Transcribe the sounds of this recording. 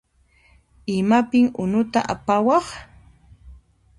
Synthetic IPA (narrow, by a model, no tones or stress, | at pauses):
ɪmapɪŋʊnʊt̪a̰ʔapawɑχ